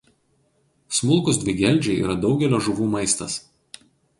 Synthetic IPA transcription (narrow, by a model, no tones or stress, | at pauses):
smʊlˠˑkʊzd̪ʲʋʲɪɡʲɛˑlʲˑd͡ʒʲɛɪḭːɾɐd̪ɒʊɡʲɛlʲoːʒʊʋuːmɐɪst̪ɐs